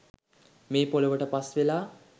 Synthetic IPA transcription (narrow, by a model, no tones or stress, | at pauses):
meːpoloʋəʈəpasʋelaː